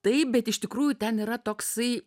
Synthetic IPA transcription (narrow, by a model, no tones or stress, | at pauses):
t̪ɐɪp̚bʲɛt̪ɪʃt̪ʲɪkɾuːjut̪ʲɛniːɾɐt̪oːksɐɪ